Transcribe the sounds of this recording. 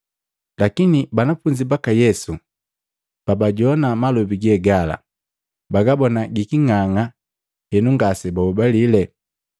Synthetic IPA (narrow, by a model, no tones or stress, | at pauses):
lakinibanafuɲd͡ʒibakajɛsu | pabaɟɔnamalubiɡɛɡala̰ | baɡabɔnaɡikiŋaŋa | hɛnuŋɡasɛbaubalilɛ